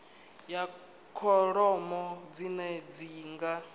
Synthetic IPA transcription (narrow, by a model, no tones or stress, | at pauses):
ja | kʰɔɺɔmɔd͡zinɛd͡ziːŋɡa